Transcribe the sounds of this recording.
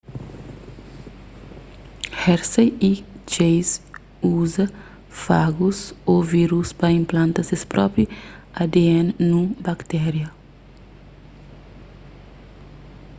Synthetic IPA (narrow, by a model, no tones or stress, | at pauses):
hɛɾsɐjit͡ʃejs | uzɐ | faɡusoviɾuspɐĩmplɐ̃nt̪ɐsespɾʔɔpɾiɐd̪eẽnnũbɐkt̪ɛɾjɐ